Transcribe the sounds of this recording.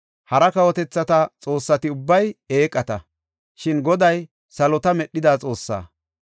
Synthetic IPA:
hɐɾɐkɐwɔt̪ɛt͡sːɐt̪ɐt͡sʼo̞ːsːɐt̪ɪʊbːɐjeːkʼːɐt̪ɐ̰ | ʃɪnɡɔd̪ɐj | sɐlɔt̪ɐmɛɗːɪd̪aːt͡sʼo̞ːsːa̰ː

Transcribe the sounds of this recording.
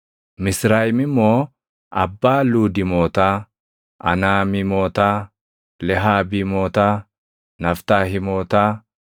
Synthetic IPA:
mɪsɾaːjɪmɪmoː | ʔɐbːaːluːd̪ɪmoːt̪aː | ʔɐ̰naːmɪmoːt̪aː | lɛɦaːbiːmoːt̪aː | nɐft̪aːɦɪmoːt̪aː

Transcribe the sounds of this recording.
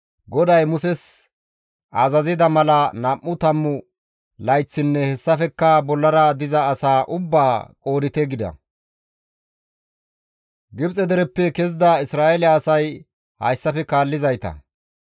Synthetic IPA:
ɡɔd̪ɐjmʊsɛs | ʔɐzɐzɪd̪ɐmɐlɐnɐʔːʊt̪ɐmːʊ | lɐjt͡sːɪnːɛhɛsːɐfɛkːɐbɔlːɐɾɐd̪ɪzɐːsaːʔʊbːaːkʼoːd̪ɪt̪ɛɡɪd̪ɐ̰ | ɡɪbt͡sʼɛd̪ɛɾɛpːɛkɛzd̪ɐɪsɾaːɛlːsɐj | hɐ̰jsːɐfɛkaːlːɪzɐjt̪ɐ̰

